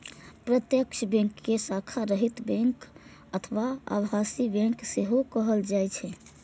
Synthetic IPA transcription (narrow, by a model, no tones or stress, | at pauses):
pɾət̪jəkʃbɛ̃ŋkːesakʰaɾəɦit̪bɛ̃ŋk | ət̪ʰəʋaə̰bɦasibɛ̃ŋkseɦokəɦəld͡ʒajt͡ʃʰɛ